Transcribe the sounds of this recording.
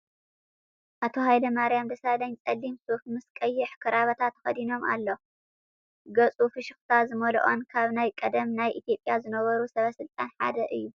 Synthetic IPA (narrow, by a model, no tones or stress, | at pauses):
ʔat̪ʰo̞ɦajlɐmaɾijamd̪ɐsad̪ɐɲt͡sʼɐlːimsufmɨskʼɐjːiħkʰɨɾaβɐt̪ʰat̪ːxɐd̪ino̞mʔa̰lːo̞ | ɡɐt͡sʼufɨʃɨxt̪ʰazɨmɐl̰ʔo̰nkʰaβnajkʼɐd̪ɐmnajʔit̪ʰijo̞pʼjazɨnɐβɐɾusɐβɐsɨlt̪ʼanħa̰d̪ɐʔɨjːu